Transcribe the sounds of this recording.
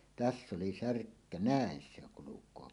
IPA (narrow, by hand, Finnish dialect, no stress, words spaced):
tæsː oli særkːæ næˑen se oŋ kulukˑoː